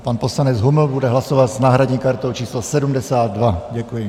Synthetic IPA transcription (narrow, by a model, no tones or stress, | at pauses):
paːnpɔslanɛd͡zɦuml̩bud̪ɛɦlasɔʋaɟznaːɦɾadɲikaɾt̪ɔʊt͡ʃiːslɔsɛdumd̪ɛsaːd̪ːʋaɟɛkujɛ